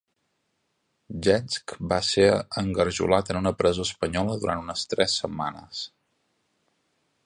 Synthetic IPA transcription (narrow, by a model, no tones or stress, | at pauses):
ʒɛnskbaseɾəŋɡəɾʒṵlat̪ənunəpɾəzoəspəɲɔləðuɾant̪unəst̪ɾɛsːəmːanə̰s